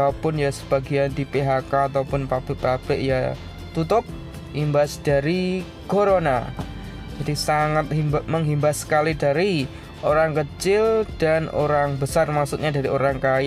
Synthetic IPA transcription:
apʊnjasə̥b̥aɡiandipeɦakaːt̪awpʊnpab̥ɪʔpab̥ɪʔja | t̪ut̪ʊp̚ | himbasd̥aɾi | koɾona̰ | d͡ʒadisaŋat̪̚himbməŋɦimbasə̥kalidaɾi | ʔoɾaŋkət͡ʃɪld̥ano̰ɾaŋbəsarmaksut̪ɲadaɾioɾaŋkaj

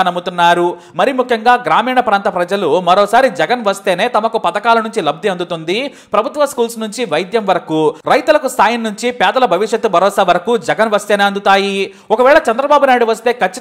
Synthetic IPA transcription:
nɐmut̪unːaːɾu | mɐɾimukʰjɐŋɡaːɡɾaːmiːɳɐpɾaːnt̪ɐpɾɐd͡ʒɐlumɐɾɔːsaːɾid͡ʒɛɡɐnʋɐst̪e̞ːne̞ːt̪ɐmɐkupɐd̪ɐkaːlɐnuɲt͡ʃilɐb̚d̪ʱiɐnd̪ut̪und̪i | pɾɐbʱut̪ʋɐskuːlsnuɲt͡ʃiʋɐjd̪jɐmʋɐɾɐkuɾɐjt̪ulɐkust̪aːjɐnːuɲt͡ʃipɛːd̪ɐlɐbʱɐʋiʂjɐt̪ːubʱɐɾɔːsaːʋɐɾɐkud͡ʒɛɡɐnʋɐst̪e̞ːneːɐnd̪ut̪aːji | ɔkɐʋɛːɭɐt͡ʃɐnd̪ɾɐbaːbunaːjɽuʋɐst̪e̞ːkʰɐt͡ʃːi

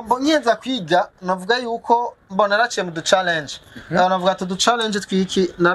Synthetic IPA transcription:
ambɔɲɛnd͡zakwiɡanavuɡajuukʰɔmbɔnɛɾat͡ʃɛmud̪ut͡ʃalɛnd͡ʒnavuɡat̪ud̪ut͡ʃalɛnd͡ʒit̪kwikʰina

